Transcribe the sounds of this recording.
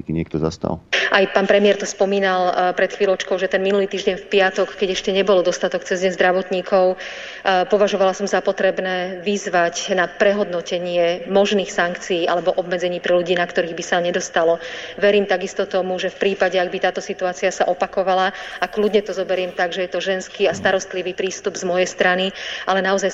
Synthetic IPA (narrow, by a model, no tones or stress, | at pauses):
kiɲɪɛk̚t̪ɔza̰st̪a̰lʔajpaːnpɾɛmiɛɾt̪ɔspɔmiːnalpɾɛt̪xʋiːlˠɔt͡ʃkɔʊʒɛt̪ɛnminuliːt̪iːʒɟɛɲfpɪat̪ɔkːɛɟɛʃcɛɲɛbɔld̪ɔst̪at̪ɔkt͡sɛzɟɛɲzd̪ɾaʋɔt̪ɲiːkʰɔʊ | pɔʋaʒɔʋalasɔmzapɔt̪ɾɛbnɛːʋizʋacnapɾɛɦɔd̪nɔcɛɲɪɛmɔʒniːxsaŋkt͡sijiːʔalɛbɔʔɔbmɛd͡zɛɲiːpɾɛluɟiːnakt̪ɔɾiːɣbisaɲɛd̪ɔst̪alɔʋɛɾiːmt̪aɡist̪ɔt̪ɔmuʒɛfpɾiːpaɟɛaɡ̚bit̪aːt̪ɔsit̪uaːt͡siasaʔɔpakɔʋalaakluɟɲɛt̪ɔzɔbɛɾɪɛmt̪aɡʒɛjɛt̪ɔʒɛnskiːast̪aɾɔst̪liʋiːpɾiːst̪ubzmɔjɛst̪ɾaniʔalɛnaɔzaj